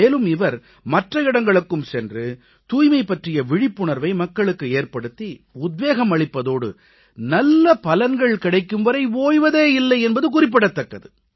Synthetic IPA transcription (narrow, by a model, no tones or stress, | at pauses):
eːlɯmɪʋɐɾ | mɐʈrɐɪɽɐŋɡɐɭɯkːɯmsɛndrɯ | t̪uːjmɐɪpːɐʈrɪjɐʋɪɻɪpːʊɳɐɾʋɐɪmɐkːɐɭɯkːɯeːɾpɐɽɯt̪ːiʊd̪ʋeːɣɐmɐɭɪpːɐðoːɽɯ̰ | nɐlːɐpɐlɐnɡɐɭkɪɽɐɪkːɯmʋɐɾɐɪoːjʋɐðeːɪlːɐɪɛnbɐðɯkʊrɪp̬ːɪɽɐt̪ːɐkːɐðɯ